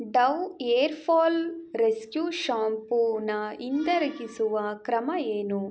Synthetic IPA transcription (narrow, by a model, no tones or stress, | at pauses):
ɖɐʋeːɾpʰoːlɾeskjuːʃaːmpunɐind̪ɐɾɐɡisuʋɐkɾɐmɐeːnu